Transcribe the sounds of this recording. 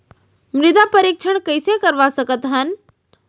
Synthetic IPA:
mɾɪd̪apəɾiːkʃʰəɳ̃kəisekəɾʋasəkət̪ɦən

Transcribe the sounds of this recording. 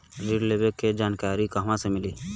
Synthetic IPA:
ɾiɖlebekːed͡ʒaːnkaːɾikaɦmãsemɪliː

